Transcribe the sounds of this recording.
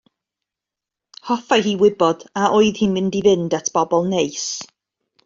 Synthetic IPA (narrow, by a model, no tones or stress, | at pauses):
hɔfajɦiːwɪbɔd̥aʔɔɨðhimɪndivɪndatʰb̥ɔbɔlˠnejs